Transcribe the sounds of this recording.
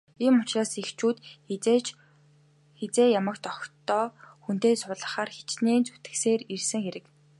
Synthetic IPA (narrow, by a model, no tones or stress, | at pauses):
iːmʊt͡ɕraːsixt͡ɕuːt̪ːt͡ɕ | xet͡seːjamə̆kt̪ɔkt̪ɔːxun̥t̪eːsʊɮə̆χaːrxe̥t͡ɕneːnt͡su̥t̪ɘ̆xseːɾirsɘ̆ŋxeɾɘ̆k